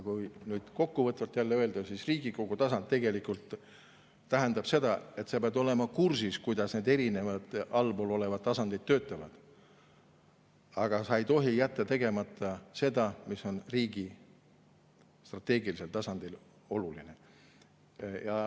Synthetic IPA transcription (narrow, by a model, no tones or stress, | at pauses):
jkujnyːd̪̥ko̞kːuvɤt̪ːˑult̪ːˑjælːeø̞e̞ld̪ɑsisriːɡ̥ikoɡ̥ut̪ɑsɑnt̪ːeɡe̞likˑult̪ː | æɦend̪ɑb̥se̞d̪̥ɑe̞t̪sɑpeɑd̪o̞le̞mɑkursiskujd̪̥ɑsne̞ːd̪e̞ɾine̞vɑd̪̥ɑlbolo̞le̞vɑd̪̚ːɑsɑnd̪̥ijd̪̥̚t̪ːø̞ːt̪ˑːɑvɑ̰d̪̥ | ɑɡ̥ɑsɑe̞jt̪o̞ɦijæt̪ːˑɑt̪e̞ɡ̥e̞mɑt̪ːˑɑse̞d̪ɑmiso̞nriːɡ̥i | st̪rɑt̪ːˑe̞ːɡilise̞lt̪ɑsɑnd̪̥il | o̞luline | jɑ